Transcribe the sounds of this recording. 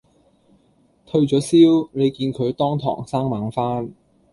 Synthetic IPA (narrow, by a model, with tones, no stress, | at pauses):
t̪ʰɵ˧ɥt͡ʃɔː˨˥siː˥wne˨˧jkiː˧nkʰɵ˨˧ɥt̪ɔː˥ŋt̪ʰɔ̰ː˨˩ŋsaː˥ŋmaː˨˧˥ŋfaː˥n